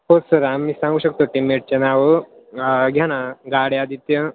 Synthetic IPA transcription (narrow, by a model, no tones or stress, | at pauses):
ɦosəɾamːiːsãŋɡuːɕək̚t̪oʈimeʈ̚t͡ɕenaʋə | ɡʱjaɽ̃ãɡaɽjad̪it̪jə